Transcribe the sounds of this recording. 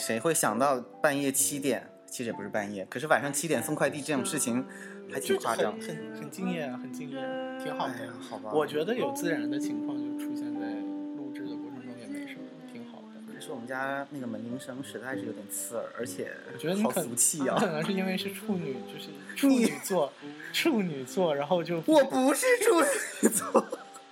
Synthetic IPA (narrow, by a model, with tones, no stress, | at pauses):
ʂe˧˥ɪxwe˥˩ɪɕjɑ˨˩ŋt̪ɑ˥˧ʊpa˥˧njɛ˥˩t͡ɕʰi˥t̪jɛ̰˨˩˦n | t͡ɕʰi˧˥ʂɻ̩˥˩ɛ˨˩pu˧˥ʂɻ̩˥˧pa˥˧njɛ˥˩kʰɤ˨˩ʂɻ̩˥˩wa˨˩nʂɑ˥˧ŋt͡ɕʰi˥t̪jɛ˨˩nsə˥ŋkʰwa˥˧ɪt̪i˥˧ʈ͡ʂɤ˥˩ʈ͡ʂʊ˨˩ŋʂɻ̩˥˩t͡ɕʰi˨˩ŋ | xʰa˧˥ɪi˨˩˥fwa˥˧ɑ˥˩˥ŋə˨˩nxə˨˩nt͡ɕi˥˧ŋjɛ˥˩nxə˨˩nt͡ɕi˥˧ŋjɛ˥˩nt̪ʰi˧˥ŋxɑ˨˩a˥˩xɑ˨˩ʊbɐ˦˧wɔ˨˩t͡ɕɥɛ˧˥d̪ə˧jo˨˩ʊt͡sɹ̩˥˩ɻa˧˥nd̪ə˧t͡ɕʰi˧˥ŋkʰwɑ˥˧ŋt͡ɕjo˥˧ʊ˧˩ʈ͡ʂʰu˧˩ɕjɛ˥˧nt͡sa˥˩˧ɪlu˥˧ʈ͡ʂɻ̩˥d̪ə˩kwʈ͡ʂʰɤ˧˥ŋʈ͡ʂŋjɛ˧˥˩nə˧˥˩ʂ̩˥˩t̪ʰi˧˥ŋxɑ˨˩ʊ˧˩a˧˥ʂɻ̩˥˩wɔ˨˩ə˦nt͡ɕja˥na˥˩ɡə˩mə˧˥nli˧˥ŋʂɤ˥ŋʂɻ̩˧˥t̪a˥˧ɪʂ̩˥˩˧t̪ɛ˨˩nt͡sʰɹ̩̰˥˩˧ə̰˞˧˥t͡ɕʰjɛ̰˨˩˦wɔ˨˩t͡ɕɥɛ˧˥d̪ə˧ni˥˩˥kʰə˨˩u˧˥t͡ɕʰi˥˧˥kʰə˨˩nɤ˧˥ŋʂɻ̩˥˧i˥nwe˥˧ɪʂɻ̩˥˧ʈ͡ʂʰu˥˩ny˨˩t͡ɕjo˥˧ʊʂɻ̩˥˩ʈ͡ʂʰu˥ny˨˩t͡swɔ˥˧ʈ͡ʂʰu˥˩ny˨˩t͡swɔ˥˩ɻa˧˥nxo˥˧ʊt͡ɕjo˥˧ʊwɔ˨˩pu˧˥ʂɻ̩˥˧ʈ͡ʂʰu˥˧n̩˨˥t͡sɔ˥˩